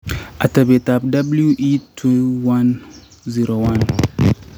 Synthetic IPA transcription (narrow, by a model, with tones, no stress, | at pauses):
ʔa˨tɐ˨be˨tap̚da˦blju˦ʔitʰuwa˦n | ziɾo˨wan